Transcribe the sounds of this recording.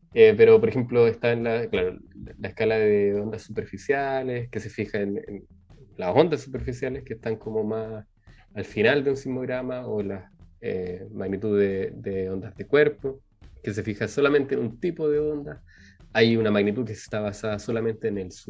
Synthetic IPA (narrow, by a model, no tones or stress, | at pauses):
epeɾopoɾexemploest̪aenlaklaɾolaehkalaðeo̞nd̪asːupeɾfisjaleske̞se̞fixaenḛn | laso̞nd̪asːupeɾfisjalehkeːht̪aŋkomo̞mas | alfinald̪eunsimoɣɾamaolasḛmaɣnit̪uðed̪eo̞nd̪azðe̞kwe̞ɾpo | kese̞fixaso̞lame̞nt̪eːnunt̪ipoðeo̞nd̪a | ajunamaɣnit̪ukest̪aβasaðaso̞lamẽ̞nt̪eːnelsu